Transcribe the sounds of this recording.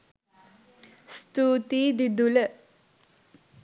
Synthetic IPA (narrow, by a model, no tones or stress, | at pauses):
st̪uːt̪iːd̪id̪ulə